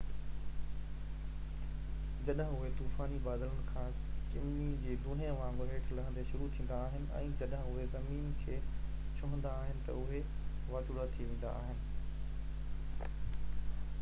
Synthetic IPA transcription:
d͡ʑɐɗɦə̃ʊɦet̪uːfaːnibaːd̪ləɽ̃̆kʰãː | t͡ɕɪm | id͡ʑeːd̪ʱuːn̤ijãʋãːmɡɾɦeːʈʰlɐɦə̃nd̪eʃʊɾut̪ʰĩːnd̪aːɦɪnɪ̆ɛ̰̃ːd͡ʑɐɗɦə̃ʊɦezɐmiːnkʰeːt͡ɕʰʊɦə̃nd̪aːɦɪnɪ̆t̪ɐ̰ʊɦe | ʋaːt͡ɕʊɽat̪ʰiʋẽːnd̪a̰a̰ːɦɪnɪ̆

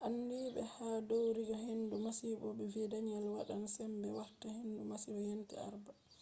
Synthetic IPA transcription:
ʔanːdiɓɛ̰hadowɾiɡahenːdumasiɓɔɓɛvɛdaɲalwa̰ɗansɛmbɛwaɾtahendumasibɔjentḭa̰ɾba

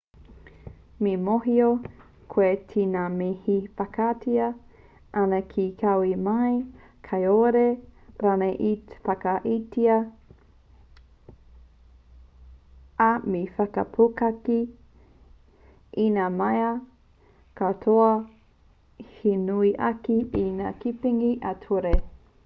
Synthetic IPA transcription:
mimoɦio | kʰwetʰinamihifɐkʰatʰiɐ | ʔanɐkʰikʰɐwimɐj | kʰɐjoɾeɾanɐʔifɐkɐʔitiɐ | amifɐkɐ̰pʰukɐki | ʔinamɐjɐ | kɐtʰoɐ | hinuiʔɐkiinakipiŋiʔɐtʰuɾe

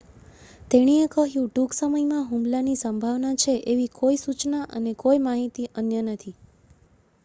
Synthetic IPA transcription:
t̪eɽ̃iekəɦjũɖuɡsəməjmãɦũmlanisəmbʱaʋnat͡ʃʰeʔeʋikoisut͡ʃnaʔənekojmaɦit̪iʔənjənət̪ʰi

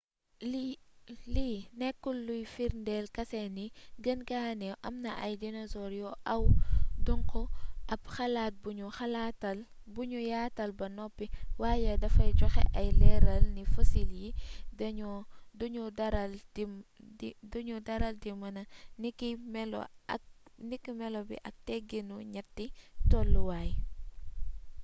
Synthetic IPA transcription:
linɛkːulːujfiɾndɛlkɐsɛniɡɐnɡaːnɛwʔɐmnɐʔɐjdinɔzɔɾjɔʔɐwdɔŋkɔʔɐbxɐlaːt̚buɲuxɐlatɐl | buɲujaːtɐlbɐnɔpːiwaːjɐdɐfɐjd͡ʒɔxɛ̰ʔɐjlɛɾɐlnifɐsiljidɐɲɔduɲɔdɐɾɐldim | duɲudɐɾɐldimɐnɐnikimɛlɔ̰ɐ̰k̚nikːimɛlɔbḭʔɐk̚tɛɡinuɲɐtːitɔlːuwaːj

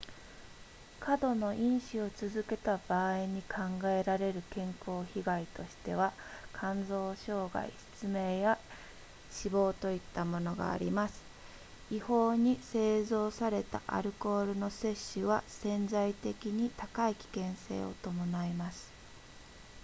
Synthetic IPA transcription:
kʰad̪o̞no̞ʔĩɰ̃ɕio̞t͡sɨzɨke̞t̪ab̥aːiɲ̟ikʰãŋɡae̞ɾaɾe̞ɾɯ̟kẽ̞ŋko̞ːçiɡait̪o̞ɕi̥t̪e̞βakʰãnzo̞ːɕo̞ːɡa̰ḭsɨ̥t͡sɨme̞ːja | ɕibo̞ːt̪o̞it̪ːamo̞no̞ɡa̰ːɾʲḭmasɨ̥ | iho̞ːɲ̟ise̞ːzo̞ːsaɾe̞t̪a̰ʔa̰ɾɯ̟ko̞ːɾɯ̟no̞se̞ɕːɨβasẽ̞nd͡zait̪e̞kʲiɲ̟it̪akaikʲi̥kẽ̞ɰ̃se̞̰ːo̞̰t̪o̞mo̞naimasɨ̥

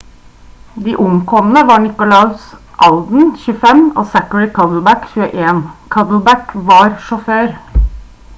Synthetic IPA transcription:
d̪iːʔʊŋkʰɔmən̩əʋɑːɳɪkʊlɑʉsʔɑld̪n̩çʉːəfɛmoːsækəɹɪkʰɑd̪l̩bækçʉːəʔeːnkʰɑd̪l̩bækʋɑːɾʃʊføːɾ

